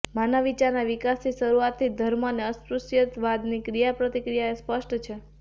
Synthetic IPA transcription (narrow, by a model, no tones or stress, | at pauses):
manaʋit͡ʃaɾnaʋikasiʃəɾuat̪ʰːid̪ʱəɾmoneəspɾusjət̪ʋad̪nikɾijapɾət̪ikɾijaespəʃʈt͡ʃʰe